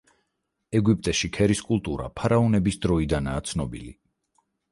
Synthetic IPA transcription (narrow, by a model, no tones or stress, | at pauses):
ɛɡip̚ʼt̪ʼɛʃikʰɛɾiskʼulˠt̪ʼuɾa̰pʰaɾaɔnɛbisd̪ɾɔid̪anaːt̪sʰnɔbḭlḭ